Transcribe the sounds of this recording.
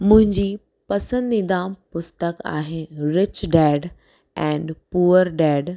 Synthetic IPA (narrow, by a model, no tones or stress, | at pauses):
mʊ̃ɦɪ̃ɲd͡ʑiː | pɐsə̃nd̪ĩd̪ãːmpʊst̪əka̰ːɦeɾɪt͡ɕɖɛːɖ | ɛ̃ːɳɖpuːəɾɖɛːɖ